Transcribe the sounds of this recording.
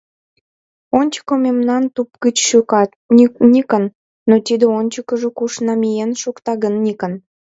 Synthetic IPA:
onʲt͡ɕə̥komemnɑnt̪upɡət͡ɕʃykɑt̪nʲikənː | ot̪id̪eonʲt͡ɕəkəʒəkuʃnɑmijenʃukt̪ɑɣənːʲikə̆n

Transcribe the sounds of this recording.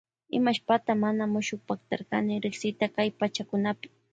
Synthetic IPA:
ɪ̰maʃpat̪amanamʊʃʊkpakt̪a̰ɾkanɪɾɪksɪt̪akajpat͡ʃakʊnapɪ̥

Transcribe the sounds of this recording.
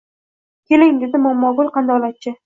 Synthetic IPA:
kʲʰelɪŋdɪzɪmɒmːɒɡʊlˠqɑnd̪aɒlat̪̚t͡ʃʰɪ

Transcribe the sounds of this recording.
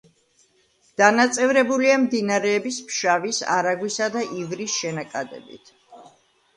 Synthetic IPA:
d̪̥anat̪sʼɛvɾɛbuliamd̪inaɾɛːbispʃavisa̰ɾaɡwisad̪aʔivɾisʃɛnakʼad̪ɛ̰bḭt̪ʰ

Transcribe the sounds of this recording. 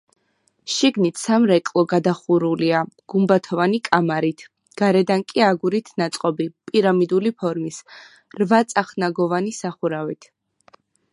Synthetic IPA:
ʃiɡnit̪ʰsamɾɛkʼlˠɔɡad̪aχuɾuliaɡ̥umbat̪ʰɔvanikʼamaɾit̪ʰ | ɡ̥aɾɛd̪ankʼiaɡuɾit̪ʰnat̪sʼqʼɔbipʼiɾamid̪ulipʰɔɾmis | ɾvat̪sʼaχnaɡɔvanisaχuɾavit̪ʰ

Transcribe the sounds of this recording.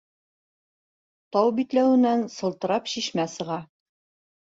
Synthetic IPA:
t̪ɑwbit̪læwɘ̆nænsɤ̆lˠt̪ɤ̆ɾɑpɕiʃmæsɤ̆ʁɑ

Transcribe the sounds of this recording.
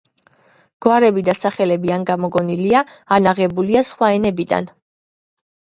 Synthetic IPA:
ɡ̥waɾɛbid̪asaχɛlɛbianɡamɔɡɔniliaːnaʁɛbuliasχwaɛnɛbid̪a̰n

